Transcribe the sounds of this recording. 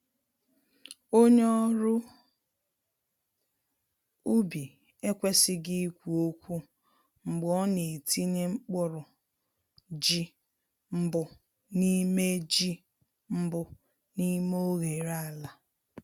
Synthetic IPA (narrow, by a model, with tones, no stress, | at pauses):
o˦ɲe˦ɔ˦ɾʊ˦ | u˦bi˨ | e˦kʷe˦sɪ˦ɡɪ˦kʷu˨o˦kʷu˦ | ŋ͡m̩˨ɡ͡bɔ˦ne˨e˨tʰi˦ne˦ŋ͡m̩˦k͡pʊ˦ɾʊ˨ | d͡ʒi˦ | m̩˦bʊ˨ | ni˦me˦d͡ʒi˦ | m̩˦bʊ˦ | ni˦mo˦ɣe˨ɾa˦˨la˨